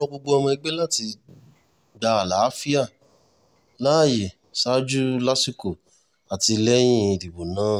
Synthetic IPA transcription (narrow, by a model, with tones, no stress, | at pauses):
ɔ˧ɡ͡bo˧ɡ͡bo˧˦ɔ˧mɔ̃˧i˧ɡ͡be˦la˦˨ti˧ | da˧a˨la˨˦fi˦a˦˨ | la˦˨je˨ | sa˦d͡ʒu˦la˦si˦ko˨ | a˨ti˧lɛ˦j̃ĩ˦˨li˨wo˨nãː˦˨